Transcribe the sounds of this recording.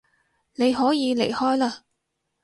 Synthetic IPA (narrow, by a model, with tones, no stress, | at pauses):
ne˨˧jɦɔː˨˥jiː˨˧le˨˩jhɔː˥jlaː˧